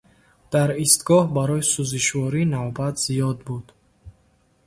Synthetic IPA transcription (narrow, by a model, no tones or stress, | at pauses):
d̪̥aɾist̪ɡɔhbaɾɔjisuziʃvɔɾinavbat̪ʰz̥ijɔd̪bud̪̥